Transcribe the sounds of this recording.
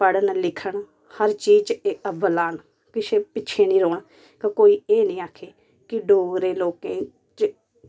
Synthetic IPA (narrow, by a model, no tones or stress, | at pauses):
pəɽənlɪkʰəɳ | həɾt͡ʃiːd͡ʒt͡ʃeːəbəlaːɳ | kɪt͡ʃeːpɪt͡ʃʰeːnĩːɾoːɳ | kəkoːiːeːnĩːaːkʰeː | kɪɖoːɡɾeːloːkẽː | t͡ʃ